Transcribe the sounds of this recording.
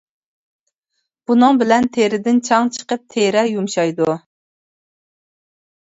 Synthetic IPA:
b̥unɨŋbɪlɛnt̪ʰeɾɪd̪ɪnt͡ʃʰɑŋt͡ʃʰə̥qəp̚t̪ʰeɾɛjumʃɑjd̪u

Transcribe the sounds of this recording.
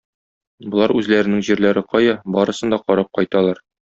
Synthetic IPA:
bŏlˠɑɾʉzlæɾɘ̆nɘŋʑiɾlæɾɘqɒjɑbɒɾɤ̆sɤ̆nd̪ɑqɒɾɑp̚qɒjt̪ɑlˠɑɾ

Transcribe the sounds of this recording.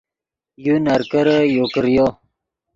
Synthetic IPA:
junaɾkəɾəjokəɾjo

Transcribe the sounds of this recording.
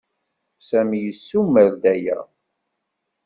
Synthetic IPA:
sæmijəsːumːəɾd̪æjæ̰

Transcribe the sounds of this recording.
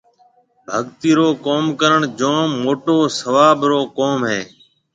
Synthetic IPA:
bʱəɠt̪iːɾoːkoːmkəɾəɳd͡ʒõːmːoːʈoːsəʋaːbɾoːkoːmɦeː

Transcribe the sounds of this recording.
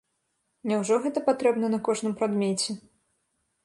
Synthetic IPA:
nʲɛwʐɔɣɛt̪ɐpat̪ɾɛbnɐnɐkɔʐnɨmpɾad̪mʲet͡sʲɛ

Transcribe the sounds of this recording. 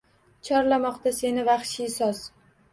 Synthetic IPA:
t͡ʃʰɒɾlamɒqt̪ase̞nɪvaχʃɪsɒz̥

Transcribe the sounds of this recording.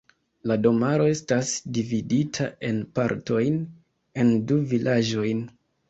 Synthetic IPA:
lado̞maɾo̞e̞stasdividitʰaʔe̞npaɾto̞jn | e̞nduvilʔad͡ʒo̞jn

